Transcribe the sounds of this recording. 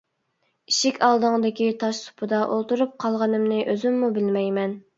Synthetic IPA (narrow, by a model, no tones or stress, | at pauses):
iʃɪkʲʰɑlˠd̪ɨŋd̪ɪkʲit̪ʰɑʃsu̥pʰɨd̪ɑʔolˠt̪uɾup̚qʰɑlˠʁɑnɨmnɨʔøzymːubɪlmɛjmɛn